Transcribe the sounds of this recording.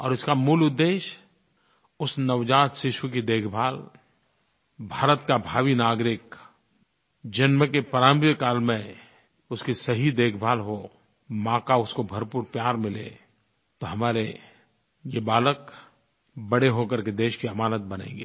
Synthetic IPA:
ɔ̰ːɾɪskamuːlʊd̪ːeːʃ | ʊsnɐʋd͡ʒaːt̪ʃɪʃwəkid̪eːkʰbʱaːl | bʱaːɾət̪kabʱaːʋinaːɡɾɪk | d͡ʒɐnməkepəɾaːmkaːlmẽ | ʊskisɐɦid̪eːkʰbʱaːlɦo | mãːkaʊskobʱɐɾpuːɾpjaːɾmɪlḛ | t̪oɦɐmaːɾe | jebaːlək | bɐɽeɦokəɾked̪eːʃkiɐmaːnət̪̚bɐnḛ̃ːŋɡiː

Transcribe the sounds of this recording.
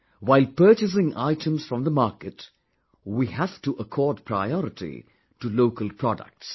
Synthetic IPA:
ʋaɪlpəːt͡ʃɪs̬ɪ̃ŋʔa̰ɪʈʰə̃msfɾɔ̃md̪əmaːɾkəʈ | wihæfʈuʔəkʰɔːɾɖ̚pʰɾa̰ɪɔɾɪʈʰḭ | ʈuloːkəlpʰɾɔɖə̰k̚ʈs

